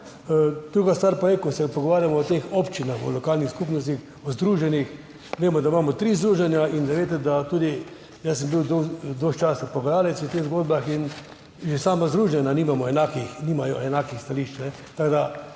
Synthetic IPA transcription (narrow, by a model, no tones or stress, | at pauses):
d̪̥ɾuːɡast̪ʋaɾpɔjekɔsɛpɔɡɔʋaːɾjamɔːt̪eːxopt͡ʃinaxɔ̰lɔkaːlnixskupnɔst̪ix | ɔzd̪ɾuːʒɛnix | ʋeːmɔd̪aimaːmɔt̪ɾiːzd̪ɾuːʒɛnjaind̪aʋeːt̪ɛd̪at̪uːd̪i | jasːɛmbiwd̪od̪oʃt͡ʃaːsapoɡjaːlɛt̪sʊt̪eːɣzɡoːd̪baxin | ʒesaːmazd̪ɾuːʒɛnaniːmamɔɛnakixniːmajɔ̰ʔɛnaːkixst̪aliʃt͡ʃnɛ | t̪aɡd̪a